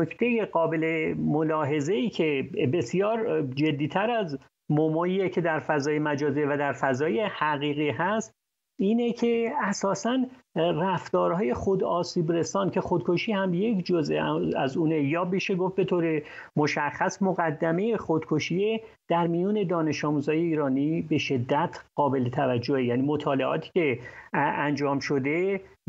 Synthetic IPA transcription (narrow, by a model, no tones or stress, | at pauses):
nokʰt̪ʰe̞jeɢɒːbe̞lemolɒːɦe̞zeiːcʰe̞be̞sjɒːɾd͡ʒe̞d̪ːiːt̪ʰæɾæz | momɒːjiecʰe̞d̪æɾfæzɒːjemæd͡ʒɒːzievæd̪æɾfæzɒːje̞hæɣiːɣiːɦæst̪ | iːnecʰe̞æsɒːsæn | ræft̪ɒːɾhɒːje̞χo̞d̪ɒːsiːbre̞sɒːncʰe̞xod̪̚kʰo̞ʃiːhæmje̞cʰd͡ʒozʔeæzuːnejɒːbiːʃeɡof̚be̞t̪ʰoːɾe̞moʃæχːæsmoɣæd̪ːæme̞jeχod̪kʰoʃie | d̪̥æɾmijuːne̞d̪ɒːne̞ʃɒːmuːzɒːje̞iːɾɒːniːbe̞ʃe̞d̪ːæt̪ʰɢ̥ɒːbe̞let̪ʰævæd͡ʒːohejæːniːmot̪ʰɒːle̞ɒ̰ːt̪ʰi̥ːce̞ | ænd͡ʒɒːmʃo̞d̪e̞